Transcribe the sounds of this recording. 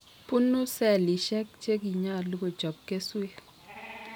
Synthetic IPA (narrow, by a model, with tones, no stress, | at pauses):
pu˦nu˦sɛ˦˨li˨ʃɛ˦k̚t͡ʃe˦ki˨ɲa˦˨lu˦ɡo˨d͡ʒɔ˨b̚ke˦swe˦